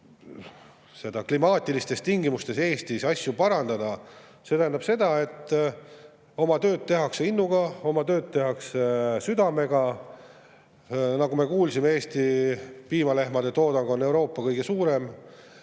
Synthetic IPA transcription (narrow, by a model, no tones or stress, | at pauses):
se̞d̪ɑklimɑːt̪ʲˑilist̪e̞st̪t̪iŋɡimust̪e̞seːst̪isɑsʲjupɑɾɑnd̪̥ɑd̪̥ɑ | se̞t̪æɦænɑb̥se̞d̪̥ɑe̞t̪ːˑ | o̞mɑt̪ø̞ːd̪̚t̪ːe̞ɦɑkseinːuɡ̥ɑo̞mɑt̪ø̞ːd̪̥̚t̪e̞ɦɑksesyd̪ɑme̞ɡ̥ɑ | nɑɡume̞kuːlsimeeːst̪ipiːmɑle̞ɦmɑd̪̥e̞t̪o̞ːd̪ɑŋɡo̞nːe̞wɾo̞ːpːˑɑkɤjɡ̥e̞suːɾe̞m